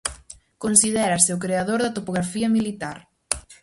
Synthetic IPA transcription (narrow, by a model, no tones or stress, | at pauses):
konsiðɛɾɐseʊkɾeaðoɾðɐt̪opoɣ̞ɾafiɐmilit̪aɾ